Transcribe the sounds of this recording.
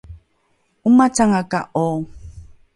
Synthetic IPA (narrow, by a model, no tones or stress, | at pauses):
umat͡saŋakaʔɔ